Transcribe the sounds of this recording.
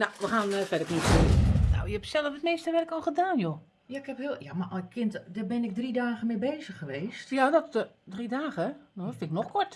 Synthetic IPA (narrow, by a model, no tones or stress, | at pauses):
nawʋəxaːnfɛdəknitseːəno̰wjəɛpsɛləfət̚meːstəʋɛrkɔlˠɣədaːnjo | jaɪkhɛphiljamakʰɪntdəbɪnɪɡ̚dridaːɣəmɪbeːzəxəʋeːstjadɔtdridaːɣənfɪnɪk̚nɔxkɔɹt